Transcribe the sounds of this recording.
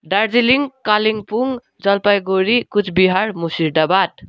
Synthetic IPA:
ɖaɾd͡ziliŋɡkaliŋpuŋ | d͡zʌlpajɡoɾikut͡sʰbiɦaɾmusiɾɖabat̪

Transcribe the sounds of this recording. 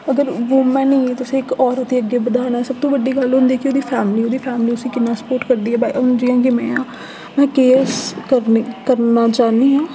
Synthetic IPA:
əɡəɾʋoːmɛ̃ːnĩːt̪ʊsĩːɪkɔːɾət̪iːəɡːeːbəd̪aːnɛːsəb̚t̪õːʋəɖːiːɡəlɦʊ̃nd̪iɛːkɪoːd̪iːpʰɛːmliːoːd̪iːpʰɛːmliːʊsĩːkɪnːaːsə̥poːʈkəɾd̪iːɦɛːbaːḭʊnd͡ʒɪjãːk̬ɪmɛ̃ː | mɛ̃ːkeːskəɾkəɾnaːt͡ʃaːniːɦãː

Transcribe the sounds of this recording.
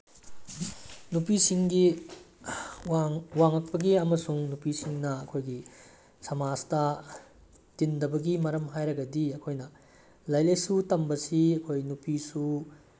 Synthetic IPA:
nupisiŋɡi | waŋɐk̚pɐɡiɐmɐsuŋnupisiŋnɐɐkʰojɡi | sɐmaztɐ | tindɐbɐɡimɐɾɐmɦajɾɐɡɐdiɐkʰojnɐ | lɐjlɐjsutɐmbɐsiɐkʰojnupisu

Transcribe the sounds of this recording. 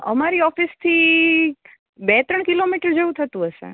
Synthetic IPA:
ə̰maɾiɔfist̪ʰi | bɛt̪ɾəɳ̃kilomiʈəɾd͡ʒeũt̪ʰət̪ũɦəʃḛ

